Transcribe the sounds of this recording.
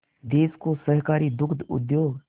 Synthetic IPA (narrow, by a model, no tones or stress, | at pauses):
d̪eːskosəɦkaːɾid̪ʊkʰd̪ʊ̰d̪joːɡ